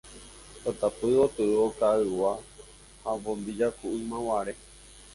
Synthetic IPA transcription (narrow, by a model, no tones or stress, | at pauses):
ot̪apɨot̪ɨokaɨwa | habõmbid͡ʒakuʔɨmãwaɾe